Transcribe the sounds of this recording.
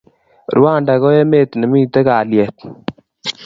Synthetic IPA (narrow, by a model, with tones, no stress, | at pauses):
ɾwa˦˨nda˨kɔ˦je˦me˦˨t̪nɛ˨mi˦t̪ɛ˦ka˨ljɛ˨t̪̚